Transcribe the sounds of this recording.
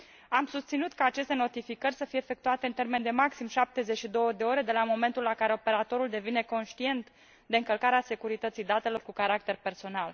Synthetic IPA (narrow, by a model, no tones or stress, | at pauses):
amsust̪sinut̪kəat͡ʃe̞st̪e̞no̞t̪ifikərʲsəfijeːfe̞k̚t̪uat̪e̞ɨnt̪e̞rme̞nd̪e̞maksimʃap̚t̪e̞zeʃid̪o̞wəd̪e̞o̞ɾe̞d̪e̞lamo̞me̞nt̪ulakaɾe̞o̞pe̞ɾat̪o̞ɾuld̪e̞vine̞ko̞nʃt̪ie̞nt̪ | d̪e̞ɨŋkəlkaɾease̞kuɾit̪ət̪sijd̪at̪e̞lo̞rkukaɾak̚t̪e̞rpe̞rso̞nal